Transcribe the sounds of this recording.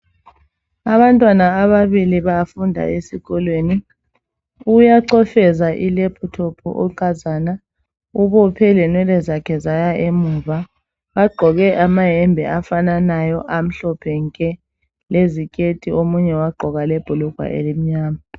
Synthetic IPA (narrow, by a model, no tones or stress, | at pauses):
aβantʼwanaːβaβiliβafundʱa̰ʔesiɣɔlweːni | ujaǀɔfɛzaʔilepʰutʰɔpʰɔ̰ʔɔ̰ǀazaːna | uβɔpʰɛlɛnwɛlɛzakʰɛzajaʔemuva | βaɡ͡ǃʱɔɣɛʔamaɦɛmbʱɛ̰ʔafananajɔʔam̩ɬɔpʰɛŋkʼɛ | lezikʼetʼiomuɲɛwaɡ͡ǃʱɔɣalɛb̥ʱuluɡ̥ʱwa̰ʔḛlim̩ɲaːma